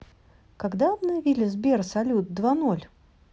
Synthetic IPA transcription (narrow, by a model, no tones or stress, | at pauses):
kɐɡd̪abnəjɪvʲilʲɪzbʲersɐlʲut̪̚d̪vanolʲ